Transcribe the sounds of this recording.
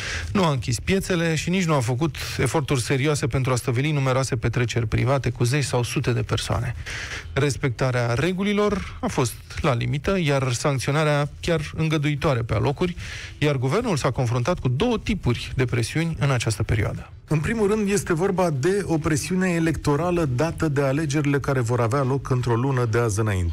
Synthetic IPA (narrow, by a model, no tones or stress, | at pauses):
nuaɨŋkʲispje̞t̪se̞le̞ʃinit͡ʃnuafək̬ut̪e̞fo̞rt̪urʲse̞ɾioase̞pe̞nt̪ɾuast̪əbilinume̞ɾoase̞pe̞t̪ɾe̞t͡ʃe̞rʲpɾḭvat̪e̞kuze̞t͡ʃsawsut̪e̞d̪e̞pe̞rsoa̰ne̞re̞spe̞k̚t̪aɾeare̞ɡulilo̞rafo̞st̪lalḭmit̪əjarsaŋkt̪sio̞naɾeakʲarɨŋɡəd̪uit̪oaɾepea̰lʔo̞kurʲjarɡuve̞rnulsako̞nfɾunt̪at̪̚kud̪o̞wət̪ipurʲd̪e̞pɾe̞siunʲɨnat͡ʃast̪əpe̞ɾḭoa̰d̪ə | ɨnpɾimulrɨnd̪je̞st̪e̞vo̞rbad̪e̞o̞pɾe̞siune̞ːle̞kt̪o̞ɾaləd̪at̪əd̪e̞ale̞d͡ʒe̞ɾile̞kaɾe̞vo̞ɾavealo̞kɨnt̪ɾo̞lunəd̪e̞azɨnaḭnt̪e